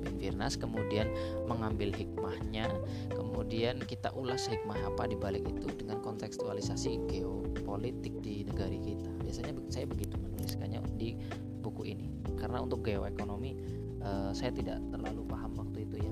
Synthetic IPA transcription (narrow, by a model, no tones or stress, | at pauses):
bɪnfirnaskəmudianməŋambɪlɦik̚mahɲa | kəmudiankit̪a̰ʔulashik̚maɦapadibalɪkit̪udəŋankɔnt̪ɛkst̪ualisasiɡeopolit̪ɪk̚dinəɡaɾikit̪abiasaɲa | sajabəɡit̪umənulɪskaɲa̰di | bukuinḭ | karənaunt̪ʊk̚ɡeoekonomi | əsajat̪ida̰ʔt̪ərla̰lupaɦamwak̚t̪uit̪uja